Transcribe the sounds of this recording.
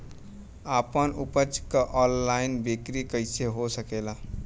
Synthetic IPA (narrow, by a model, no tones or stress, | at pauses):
aːpənʊpət͡ʃkaʔɔːnlaːɪnbekɾikəɪseɦosəkeːlaː